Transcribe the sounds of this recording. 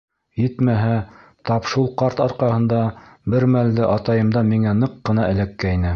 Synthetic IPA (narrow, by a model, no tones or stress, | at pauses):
jɘt̪mæɦæ | t̪ɑpʃulˠqɑɾt̪ɑɾqɑhɤ̆nd̪ɑbɘɾmæld̪ɘʔɑt̪ɑjɤ̆md̪ɑmiŋænɤqːɤ̆nɑʔɘ̆lækːæjnɘ